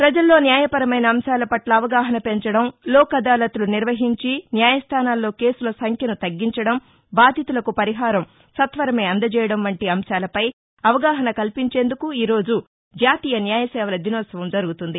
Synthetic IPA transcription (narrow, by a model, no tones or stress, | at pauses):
pɾɐd͡ʒɐlːo̞ːnjaːjɐpɐɾɐmɐjnɐːmʃaːlɐpɐʈlɐːʋɐɡaːɦɐnɐpeɲt͡ʃɐɽɐmlɔːkɐd̪aːlɐt̪uluniɾʋɐɦiɲt͡ʃinjaːjɐst̪ʰaːnaːlːo̞ːke̞ːsulɐsɐŋkʰjɐnut̪ɐɡːiɲt͡ʃɐɽɐm | baːd̪ʱit̪ulɐkupɐɾiɦaːɾɐm | sɐt̪ʋɐɾɐme̞ːɐnd̪ɐt͡ʃɛːjɐɽɐmʋɐɳʈiɐmʃaːlɐpɐj | ɐʋɐɡaːɦɐnɐkɐlpiɲt͡ʃe̞ːnd̪ukuiːɾo̞ːd͡ʒu | d͡ʒaːt̪iːjɐnjaːjɐsɛːʋɐlɐd̪inɔːsɐʋɐmd͡ʒɐɾuɡut̪und̪i